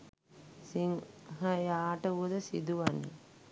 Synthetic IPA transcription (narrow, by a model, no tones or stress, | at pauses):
siŋɦəjaːʈəuəd̪əsḭd̪uʋanḭ